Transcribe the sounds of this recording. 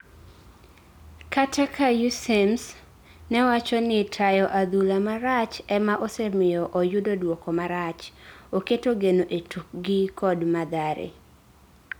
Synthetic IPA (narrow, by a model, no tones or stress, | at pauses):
katʰakʰajusems | nɛwat͡ʃɔnɪtʰajɔʔad̪ulamaɾat͡ʃɛmaʔosɛmɪjɔʔojʊdodwɔkɔmaɾat͡ʃoketoɡenoʔetʰuk̚ɡɪkʰɔdmad̪aɾḛ